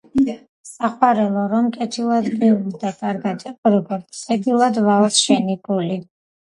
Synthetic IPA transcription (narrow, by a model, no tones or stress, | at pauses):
saχwaɾɛlˠɔɾɔmkʼɛt̪ʰilˠad̪bɛuld̪akʼaɾɡat̪ʼɛpʼɾɔɡɔɾt̪sʰɛd̪ilˠad̪valsʃɛnipʼuli